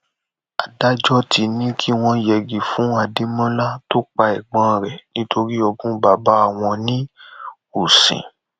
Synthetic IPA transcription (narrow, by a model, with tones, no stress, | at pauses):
a˨da˦d͡ʒɔ˦ti˧nĩ˦kʰi˦w̃ɔ̃˧jɛ˨ɡi˨fũ˨˦a˧de˦mɔ̃˦la˦to˦k͡pa˧ɛ˨ɡ͡bã˨˧˨ɾɛ˨nĩ˦tʰo˧ɾi˦ɔ˧ɡũ˦ba˨ba˨˦a˦˨w̃ɔ̃˧nĩ˦ | u˨sḭ̃˨